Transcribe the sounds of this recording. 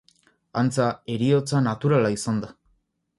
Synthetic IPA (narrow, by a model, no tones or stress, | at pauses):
ant͡sae̞ɾio̞t͡sanat̪uɾalaisand̪a